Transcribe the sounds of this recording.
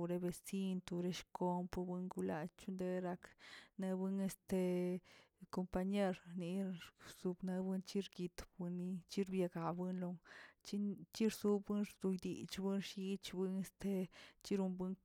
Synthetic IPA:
ɾe˧be˧si˦nt̪u˧ɾe˧˦ʃko˧mpbɨ˧ŋɡu˧la̰˧t͡ʃu˦nd̪e˧ɾa˧kne˧bɨ˦ne˧st̪e˧ | ko˧mpa˧ɲe˦ɾni˧z̥u˧bne˧bɨ˧nt͡ʃi˦ɾɡi˧t̪bɨ˧nːi˧t͡ʃi˦ɾbja˧ɡa˨bɨ˦nlo˧ŋt͡ʃi˦t͡ʃi˦ɾsu˧bɨ˦nɾd̪̥u˧jd̪ḭ˨t͡ʃbɨ˦nʃi˧˦t͡ʃbɨ˧ne˧st̪e˧t͡ʃi˦ɾu˧mbɨ˦ŋ

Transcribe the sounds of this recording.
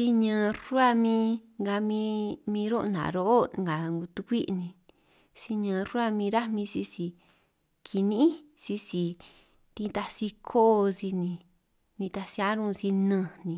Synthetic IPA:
si˦ɲã˧ru˦a˦mĩ˧ŋɡa˧mĩ˧mĩ˧ɾo˦˧nã̰˨ɾo˧˦ʔo˦˧ŋɡa˨ŋɡu˧t̪u˧kʷi˦ʔnĩ˧ | si˧ɲã˧ɾu˦a˦˧mĩ˧ɾa˦mĩ˧si˧si˧˨ | kʰi˧nĩ˦i˦ | si˧˦si˨ | t̪ĩ˧t̪a˧si˧kʰo˦˧si˧nĩ˧ | nĩ˧t̪a˧si˧a˧˦ɾũ˦˧si˧nə̃˧nĩ˨˧

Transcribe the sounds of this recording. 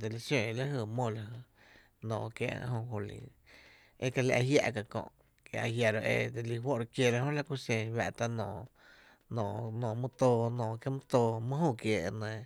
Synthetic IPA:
d̪e˧˨li˧sjõ˧˨˧la˦ɦə˧˨mõ˧˨la˨hə˧ | nɔ̰̃ː˨kja̰˧ʔɦõ˧ho˧lḭ˨ | ḛ˦ka˧la˧ʔa˧hja̰˧ʔka˧kõ̰˧ʔ | kḛ˨ʔa˧hja˧ɾo˧ʔe˧d̪e˧li˧ɦwo˦˨ɾkje˧˨ɾa˧hõ˦la˦ku˧sẽ˧wa̰˧ʔt̪a˧nɔ̃ː˨ | nɔ̃ː˨nɔ̃ː˨mũ˦t̪oː˧nɔ̃ː˨kje˦mũ˦t̪oː˧mɨ̃˦hũ˦˧˨kje˧˨ʔnẽ˧˨

